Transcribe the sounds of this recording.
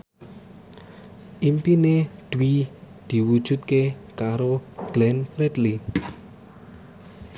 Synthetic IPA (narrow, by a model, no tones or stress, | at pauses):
ʔimpined̪̥wi | d̪̥i̤wud̥ʒ̥ṳt̪̚kekaɾoɡ̥lɛnfɾɛd̪li